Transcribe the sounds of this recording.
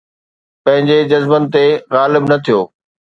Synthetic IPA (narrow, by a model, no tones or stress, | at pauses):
pɐ̃ɦɪ̃ɲd͡ʑed͡ʑɐzbənɪ̆t̪eɣaːlɪbnɐt̪ʰijoː